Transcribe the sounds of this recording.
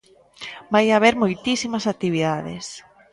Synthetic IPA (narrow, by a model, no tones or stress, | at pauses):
bajaβeɾmojt̪isimɐsak̚t̪iβ̞iðaðɪ̰s